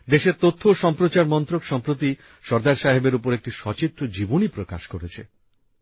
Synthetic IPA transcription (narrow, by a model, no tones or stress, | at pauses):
d̪eʃeɾt̪ot̪ʰːoʃɔmpɾot͡ɕaɾmɔnt̪ɾokʃɔmpɾot̪̬i | ʃɔɾd̪aɾʃaɦebeɾupoɾek̚ʈiʃɔt͡ɕit̪ːɾod͡ʑibonipɾoka̰ʃkoɾet͡ɕʰḛ